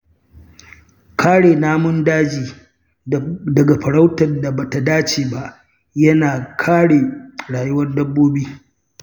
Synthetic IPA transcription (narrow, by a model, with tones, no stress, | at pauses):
kʰaː˦ɽeː˨naː˦mʊ˦ndaː˦d͡ʒiː˨ | dɐ˨ɡa˨ɸɐ˨ɽa˦wtɐ˨nda˨ba˨ta˨daː˦t͡ʃeː˨ba˦ʔ | jɐ˦naː˨kʰaː˦ɽeː˨ɽaː˨jʊ˦wɐ˦rdɐ˦bːoː˦biː˦